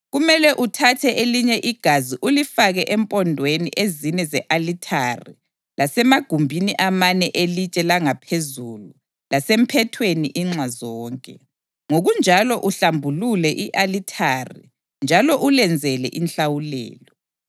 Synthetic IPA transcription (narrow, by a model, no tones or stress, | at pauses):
ɣumɛlɛʔutʰatʰɛʔeliɲɛʔiɡ̥ʱaziʔulifaɣɛʔɛmpʼɔndʱweniʔezinɛzɛʔalitʰarḭ | lʔasɛmaɡ̥ʱumbʱiniʔamanɛʔelit͡ʃʼɛlaŋapʰezulu | lasem̩pʰɛtʰweniʔiŋ͡ǁazɔːŋkʼɛ | ŋoɣund͡ʒʱalɔʔuɬambʱululɛʔiʔalitʰari | nd͡ʒʱalɔʔulɛnd͡zʱɛlɛ̰ʔinɬawulɛ̰ːlɔ